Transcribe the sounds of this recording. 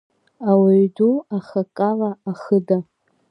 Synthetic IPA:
awaɥduaχakʼalaːχəda

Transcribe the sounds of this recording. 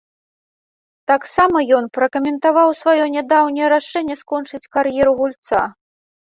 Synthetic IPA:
t̪aksamɐjɔnpɾɐkɐmʲɛnt̪avawsvajɔnʲad̪awnʲɐjɐɾaʂɛnʲːɛskɔnt͡ʂɨt͡sʲkarjɛɾuɣulʲt̪sa̰

